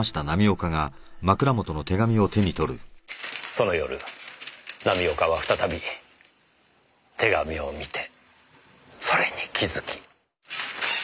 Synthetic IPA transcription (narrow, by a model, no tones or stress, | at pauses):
aɕi̥t̪anamʲio̞kaɡa | makɯ̟ɾamo̞t̪o̞no̞t̪e̞ɡamʲio̞t̪e̞ɲ̟it̪o̞ɾɯ̟ | so̞no̞jo̞ɾɯ̟ | namʲio̞kaβ̞aɸɯ̥t̪at̪abʲi | t̪ʰe̞ɡamʲio̞mʲit̪e̞̥ | so̞ɾe̞ɲikʲʰizɨkʲi̥